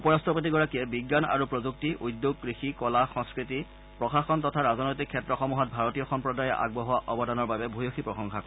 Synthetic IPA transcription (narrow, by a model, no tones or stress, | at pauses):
upɔɹastʰɔpot̬iɡɔɹakijɛbiɡːana̰ɹupɹozuk̚tiʔudjoɡ̚kɹixikɔlaxɔ̃ŋskɹiti | pɹɔxaxɔntɔtʰaɹaznɔjtikʰːɛtɹɔxɔmuɦɔt̚bʱaɹɔtijɔxɔmpɹɔdajɔʔa̰ɡ̚bɔɦɔaʔɔbɔdanɔɹbabɛbʱujoxipɹɔxɔŋxakɔ